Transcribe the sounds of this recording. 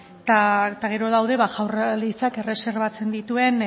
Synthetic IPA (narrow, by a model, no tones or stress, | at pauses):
t̪at̪aɣ̞e̞ɾo̞ðawðe̞βaʝawralisake̞re̞se̞ɾβat͡se̞nd̪it̪ue̞n